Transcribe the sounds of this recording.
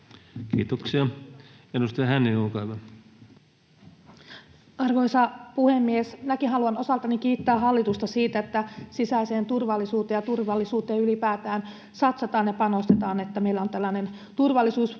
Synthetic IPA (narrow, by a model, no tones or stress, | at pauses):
kḭːt̪oksiɑenːust̪iɑhænːinulkɑyʋɑ | ɑrkoisɑpuhemːiesnækiɦɑluɑno̞sɑlt̪ɑnikiːt̪ːæːɦɑlːit̪ust̪ɑsiːt̪æet̪ːæsisæise̞ːnt̪urʋɑlːisuːt̪eːjɑt̪urʋɑlːisuːt̪eːylipæːt̪æːn | sɑt̪sɑt̪ɑːnjɑpɑno̞st̪e̞t̪ɑːne̞t̪ːæmeilːæo̞nt̪ælːæne̞n | t̪urʋɑlːisuːs